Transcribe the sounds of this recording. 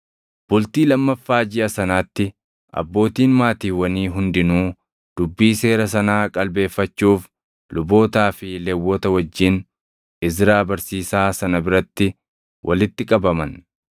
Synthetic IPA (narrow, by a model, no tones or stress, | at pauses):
b̥ʊlt̪iːlɐmːɐfːaːd͡ʒɪʔɐsɐnaːt̪ːɪ | ʔɐ̰bːo̞ːt̪iːnmaːt̪iːwɐniːɦʊnd̪ɪnuː | d̪̥ʊbːiːse̞ːɾɐs̬ɐnaːkʼɐlbe̞ːfːɐt͡ʃːuːf | lʊbo̞ːt̪aːfɪlewːɔt̪ɐwɐd͡ʒːɪn | ɪs̬ɾaːbɐɾsiːsaːsɐnɐbɪɾɐt̪ːɪ | wʔɐ̰lɪt̪ːɪkʼɐbɐmɐn